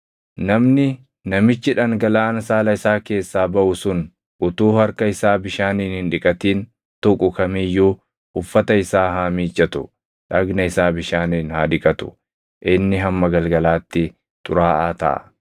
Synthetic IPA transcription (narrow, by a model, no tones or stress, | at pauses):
nɐmnɪ | nɐmɪt͡ʃːɪᶑɐŋɡɐlaːɐnɐsaːlɐɪsaːke̞ːsːaːbɐʔʊsʊn | ʔʊt̪uːhɐɾkɐɪsaːbɪʃaːniːnhɪnᶑɪkʼɐt̪iːn | t̪ɔkʼʊkɐmɪjːuː | ʊfːɐt̪ɐɪsaːɦaːmiːt͡ʃʼːɐt̪ʊ | ᶑɐɡnɐɪsaːbɪʃaːniːnhaːd̪ɪkʼɐt̪ʊ̥̰ | ʔɪnːɪɦɐmːɐɡɐlɡɐlaːt̪ːɪ | t̪ʼʊ̰ɾaːʔaːt̪ɐ̰ʔɐ̰